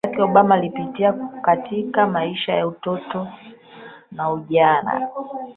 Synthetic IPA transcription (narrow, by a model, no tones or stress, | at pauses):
kɛɔɓamaːlipitiakatʰikamaiʃajautɔtɔ | nauʄana̰